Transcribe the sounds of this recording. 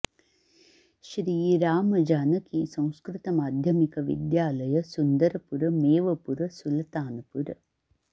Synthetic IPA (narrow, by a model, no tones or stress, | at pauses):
ɕɾiːɾaːmɐd͡ʒaːnɐkisɐ̃w̃skɾɨt̪ɐmaːd̪ʱjɐmikɐʋḭd̪jaːlɐjɐsund̪ɐɾɐpuɾɐmeːʋɐpuɾɐsulɐt̪aːnɐpuɾ